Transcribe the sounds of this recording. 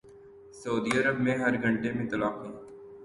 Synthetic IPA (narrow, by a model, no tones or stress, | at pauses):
sɐuːd̪iəɾəbmẽɦɐɾɡʱə̃ɳʈemẽt̪ɐlaːqɦũː